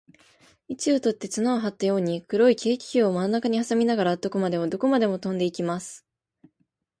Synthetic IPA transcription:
it͡ɕiot̪o̞t̪ːe̞t͡sɨnaoɦat̪ːajo̞ːɲ̟ikɯ̟ɾo̞ikʲe̞ːkʲi̥çʲoːomanonakaɲ̟ihasamʲinaɡaɾat̪o̞ko̞mad̪e̞od̪o̞ko̞mad̪e̞mo̞t̪õ̞nd̪e̞ikʲimasɨ̥

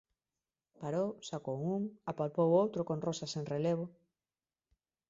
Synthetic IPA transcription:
paɾowsakowuŋapalpowowt̪ɾokõnrosaseŋreleβ̞o

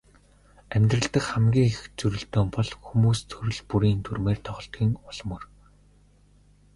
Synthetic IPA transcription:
æmʲt̪rə̆ɬt̪ə̆xχæmɡʲiːŋext͡sɵɾɵ̆ɬt̪oːmpɔɮxumuːst̪ʰɵɾɵ̆ɮpuɾiːnt̪ʰurmeːrt̪ʰɔχɞ̆ɬt̪ɡʲiːŋʊɮ̥mɵ̆r

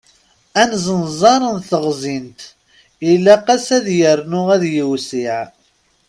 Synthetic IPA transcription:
ænzˤənzˤɑɾˤənθəʁzint̪ | ilːæqæsæðjəɾnʊʁæðjəwsiʕ

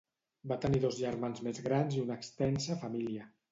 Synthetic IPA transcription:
bat̪əniðozʒəɾmanzmezɣɾanziunəkst̪ɛnsəfamiliə

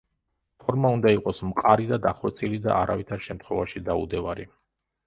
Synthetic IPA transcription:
pʰɔɾmaund̪aiqʼɔsmqʼaɾid̪ad̪aχwɛt̪sʼilid̪a̰ʔaɾa̰vit̪ʰaɾʃɛmt̪ʰχwɛvaʃid̪aṵd̪ɛvaɾi

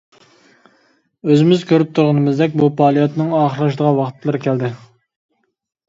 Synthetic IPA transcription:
øzɪmɪzkʲʰøɾyp̚t̪ʰuɾʁənɨmɨzd̪ɛk̬̚ʲbupʰɑːlˠijot̪nɨŋɑːχəɾlˠɑʃ̬d̪əʁɑwɑχt̪ʰlˠɨɾɨkʲʰæld̪ɪ

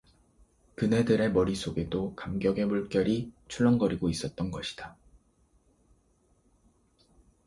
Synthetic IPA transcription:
kɯne̞dɯɾe̞mʌɾis͈ʰoɡe̞dokamɡjʌɡe̞muɭk͈jʌɾit͡ɕʰuɭːʌnɡʌɾiɡois͈ʌt̚t͈ʌnɡʌɕʰi̥d̥a

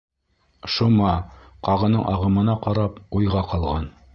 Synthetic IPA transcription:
ʃumɑ | qɑʁɤ̆nɤɴʔɑʁɤ̆mɤ̆nɑqɑɾɑpujʁɑqɑlˠʁɑn

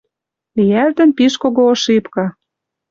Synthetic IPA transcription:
ijælt̪ə̆npiʃkoɣoːʃipkɑ

